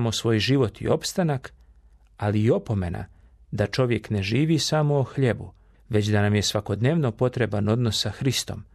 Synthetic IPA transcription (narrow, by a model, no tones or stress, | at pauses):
mosʋo̞ːjʒiʋo̞t̪ḭo̞pst̪anak | aliːo̞po̞me̞na̰ | d̪at͡ʃo̞ʋje̞kne̞ʒiːʋisamo̞oxʎe̞bu | ʋe̞t͡ɕd̪anamje̞sʋako̞d̪ne̞ːʋno̞po̞t̪ɾe̞bano̞d̪nosːaxɾist̪o̞̰m